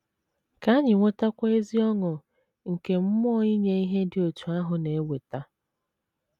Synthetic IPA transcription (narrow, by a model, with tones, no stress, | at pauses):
ka˨˦a˦ɲɪ˨ŋʷo˦ta˦kʷa˦e˦zi˦ɔ˦ŋʊ˨ | ŋ̩˨ke˨m̩˦mɔ˦i˦ɲe˦i˦ɦe˦dɪ˨o˨tu˨a˦ɦʊ˨ne˨e˦we˨ta˦